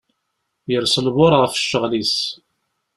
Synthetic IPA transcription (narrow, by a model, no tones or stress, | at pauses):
jəɾsəlβʊɾˤʁəfʃːəʁlis